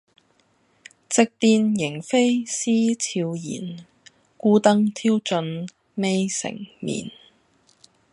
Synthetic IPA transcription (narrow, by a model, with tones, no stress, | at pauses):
t͡sɪ˨˧k̚t̪iː˧njɪ˨˩ŋfe˥jsiː˥t͡sʰiː˧wjḭː˨˩n | kuː˥t̪ɐ˥ŋt̪ʰiː˥wt͡ʃɵ˧n | me˥jsɪ̰˨˩ŋmḭː˨˩n